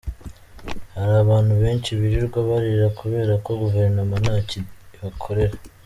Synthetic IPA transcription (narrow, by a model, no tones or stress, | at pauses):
haɾaːβaːn̥huβe̞ːnt͡ʃiβiɾiɾɡwaβaɾiɾakuβe̞ːɾako̞ɡuve̞ɾnamanaːciβakʰo̞ɾe̞ɾa